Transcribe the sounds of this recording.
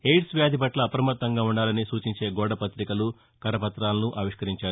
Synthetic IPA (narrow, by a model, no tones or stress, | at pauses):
hejʈsʋjaːd̪ʱipɐʈlɐːpɾɐmɐt̪ːɐŋɡaːuɳɖaːlɐnisuːt͡ʃiɲt͡ʃe̞ːɡɔːɽɐpɐt̪ɾikɐlu | kɐɾɐpɐt̪ɾaːlɐnuʔaːʋiʂkɐɾiɲt͡ʃaːɾu